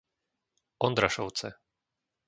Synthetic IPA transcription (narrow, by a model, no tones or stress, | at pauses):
ɔnd̪ɾaʃɔw̪t͡sɛ